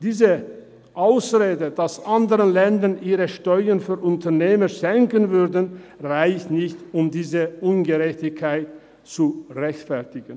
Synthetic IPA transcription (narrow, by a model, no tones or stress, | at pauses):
d̥iːzə | ʔaʊsʁeːdəd̥asʔandəʁənlɛndənʔiːʁəʃtɔʏənfyːɐʔʊntʰɐneːməʃɛŋkənvʏɐdənʁaɪçnɪçtʊmdiːzəʔʊnɡəʁɛçtɪçkʰːaɪt | t͡suʁɛçtfɛɐtɪɡ̥ən̩